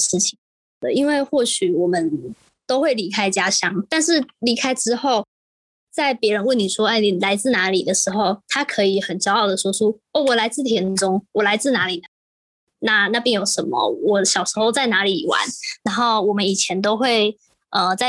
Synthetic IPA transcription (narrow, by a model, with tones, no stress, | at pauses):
ʂ̩˥˩t͡ɕʰi˨˩ŋ | d̪ə˨i˥nwe˥˧ɪxwɔ˥˩ɕy˨˩wɔ˨˩mə˦n | t̪o˥ʊxwe˥˩ɪli˧˥kʰa˥ɪt͡ɕja˥ɕjɑ˥ŋt̪a˥˧nʂɻ̩˥˩li˧˥kʰa˥ɪʈ͡ʂɻ̩˥xo˥˩ʊ | t͡sa˥˩ɪpjɛ˧˥ɻə˧˦nwə˥˩ni˨˩ʂwɔ˥e˥˩ɪni˨˩la˧˥ɪt͡sɹ̩˥˩na˧˥li˨˩d̪ə˦ʂɻ̩˧˥xo˥˩ʊt̪ʰa˥kʰɤ˧˥i˨˩xə˨˩nt͡ɕjɑ˥ʊɑ˥˩ʊd̪ə˩ʂwɔ˥ʂwɔ˥o˥˩wɔ˨˩la˧˥ɪt͡sɹ̩˥˩t̪ʰjɛ˧˥nʈ͡ʂʊ˥ŋwɔ˨˩la˧˥ɪt͡sɹ̩˥˩na˧˥li˨˩na˧˦ | na˥˧na˥˧pjɛ˥˩njo˨˩ʊʂə˧˦˥nmə̰˧wɔ˨˩ɕjɑ˨˩ʊʂɻ̩˧˥xo˥˧ʊt͡sa˥˩ɪna˧˥li˨˩i˨˩wa̰˧˦nna˧˥nxo˥˩ʊwɔ˨˩mə˦ni˨˩t͡ɕʰjɛ˧˥nt̪̬o˥ʊxwe˥˩ɪ | ʔə˨t͡sa˥˩